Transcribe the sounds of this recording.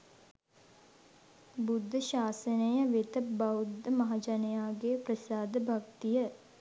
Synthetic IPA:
bud̪ʱːəʃaːsənəjəʋet̪əbɐwd̪ʱːəmɐɦad͡ʒɐnəjaːɡepɾəsaːd̪əbʱakt̪ijə

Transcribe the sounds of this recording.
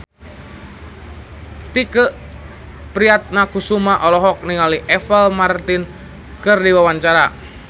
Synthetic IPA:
t̪ikəʔ | pɾiat̪̚nakusumaʔɔlɔɦɔk̚niŋaliʔɛfɛlmart̪in | kərdiwawaɲt͡ʃaɾa

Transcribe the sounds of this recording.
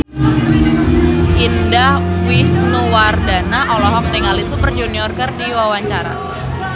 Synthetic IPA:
ʔindahwisnuwardanaʔɔlɔɦɔk̚niŋalisupərd͡ʒuniɔrkərdiwawaɲt͡ʃaɾa̰

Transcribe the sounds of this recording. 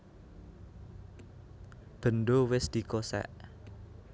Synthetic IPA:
b̥ə̤nɖowɪsd̪̥i̤kosɛ̰ʔ

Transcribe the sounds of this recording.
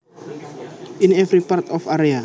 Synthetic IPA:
inɛvɾipart̪ɔfaɾea

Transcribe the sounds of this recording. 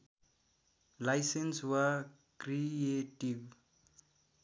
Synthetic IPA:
lajsenswa | krieʈib

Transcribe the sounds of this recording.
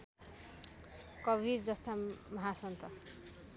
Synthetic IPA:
kʌbird͡zʌst̪amʌɦasʌnt̪ʌ

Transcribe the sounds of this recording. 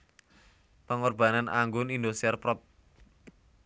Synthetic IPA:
pəŋɔrb̥anana̰ŋɡʊnindusiɛrpɾɔp̚

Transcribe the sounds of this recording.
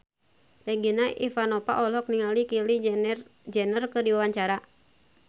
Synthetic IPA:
rɛɡinaʔḭfanɔpa̰ʔɔlɔk̚niŋalikili | d͡ʒɛnərkɨrdiwawaɲt͡ʃaɾa

